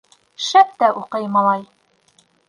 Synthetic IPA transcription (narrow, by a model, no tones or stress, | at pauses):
ʃæp̚t̪æʔuqɤjmɑlˠɑj